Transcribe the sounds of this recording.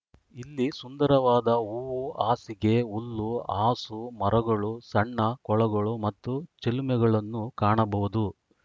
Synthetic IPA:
ilːisund̪ɐɾɐʋaːd̪ɐuːuaːsiɡe̞ulːuaːsumɐɾʔɐɡɐɭusɐɳːɐkɔɭɐɡɐɭumɐt̪ːut͡ʃelumɛɡɐɭɐnːukaːɳɐbɐʋud̪u

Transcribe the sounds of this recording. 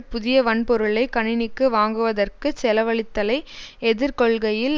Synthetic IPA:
pʊðɪjɐʋɐnpɔɾɯɭɐɪkːɐɳɪnɪkːɯʋaːŋɡɯʋɐðɐrkɯsɛlɐʋɐɭɪt̪ːɐlɐɪɛðɪɾkɔɭɣɐjɪl

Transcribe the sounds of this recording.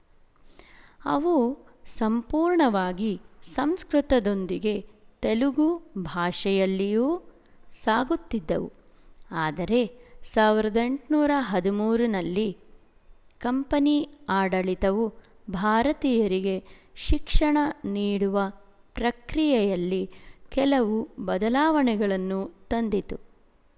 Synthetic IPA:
ɐ̰ʋu | sɐmpuːɾɳɐʋaːɡisɐmskɾut̪ɐd̪o̞nd̪iɡe̞t̪eluɡubʱaːʂɛjɐlːijuː | saːɡut̪ːid̪ːɐ̰ʋṵ | aːd̪ɐɾe̞saːʋiɾɐd̪e̞ɳʈnuːɾɐɦɐd̪umuːɾunɐlːi | kɐmpɐniaːɽɐɭit̪ɐʋu | bʱaːɾɐt̪iːjɐɾiɡe̞ʃikʂɐɳɐniːɽuʋɐ | pɾɐkɾijɛjɐlːikɛlɐʋubɐd̪ɐlaːʋɐɳɛɡɐɭɐnːut̪ɐnd̪it̪u

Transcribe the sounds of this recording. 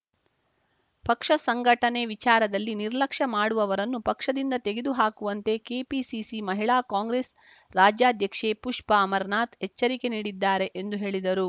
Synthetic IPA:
pɐkʂɐsɐŋɡʱɐʈɐne̞ʋit͡ʃaːɾɐd̪ɐlːiniɾlɐkʂɐmaːɽuʋɐʋɐɾɐnːupɐkʂɐd̪ind̪ɐt̪e̞ɡed̪uɦaːkuʋɐnt̪e̞keːpisisimɐɦiɭaːkaːŋɡɾeːs | ɾaːd͡ʒjaːd̪ʱjɐkʂeːpuʂpɐːmɐɾnaːt̪ɦɛt͡ʃːɐɾike̞niːɽid̪ːaːɾe̞ʔend̪uɦe̞ːɭid̪ɐɾu

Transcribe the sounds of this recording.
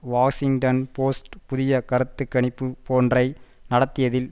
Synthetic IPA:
ʋaːsɪŋʈɐnpoːsʈpʊðɪjɐkɐɾɯt̪ːɯkːɐɳɪpːɯpoːndrɐɪnɐɽɐt̪ːɪjɐðɪl

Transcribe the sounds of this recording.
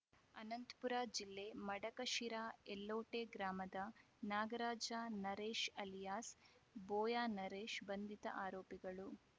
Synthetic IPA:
ɐnɐnt̪puɾaːd͡ʒilːe̞mɐɽɐkɐʃiɾaːelːoːʈeɡɾaːmɐd̪ɐ | naːɡɐɾaːd͡ʒaːnɐɾeːʃɐlijaːsboːjaːnɐɾeːʃbɐnd̪ʱit̪ɐ̰ʔaːɾoːpiɡɐɭu

